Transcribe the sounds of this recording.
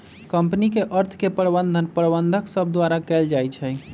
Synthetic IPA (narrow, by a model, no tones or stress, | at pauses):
kəmpnikeʔəɾt̪ʰkepəɾbənd̪ʱənpəɾbənd̪ʱəksəb̚ʱd̪waɾakɛld͡ʒajt͡ʃʰɛ